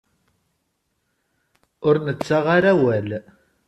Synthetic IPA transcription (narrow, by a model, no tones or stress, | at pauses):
ʊɾnət͡sːaʁaɾæwæl